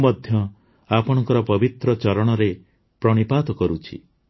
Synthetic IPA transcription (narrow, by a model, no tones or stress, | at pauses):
mɔd̪ʱjɔ | apɔɽ̃ɔŋkɔɾɔpɔbit̪ɾɔt͡ʃɔɾɔɽ̃ɔɾe | pɾɔɽ̃ipad̪ɔkɔɾut͡ʃʰḭ